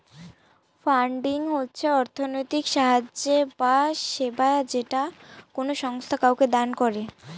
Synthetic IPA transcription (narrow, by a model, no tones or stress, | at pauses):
faɳɖiŋɦotːɕʰeɔɾt̪ʰonojt̪ikʃaɦad͡ʑebaʃebad͡ʑeʈakonoʃɔŋst̪ʰakawked̪ankɔɾe